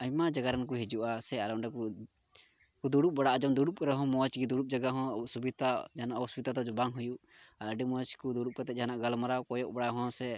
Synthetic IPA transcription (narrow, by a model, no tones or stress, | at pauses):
aɲmad͡ʒaɡaɾank̬uɦid͡ʒuʔasɛaɾɔʔɖɛku | kud̪uɽubaɽaʔad͡ʒɔmd̪uɽup̚kaɾaɦɔ̃mɔat͡ʃɡid̪uɽup̚d͡ʒaɡaɦɔ̃usubit̪ad͡ʒaanaʔɔsbit̪at̪ad͡ʒɔbaŋɦujuʔ | aɖɛmɔt͡ʃkud̪uɽup̚kat̪ɛt̪̚d͡ʒaɦanaʔɡalmaɾakɔjɔʔbaɽaɦɔ̃sɛ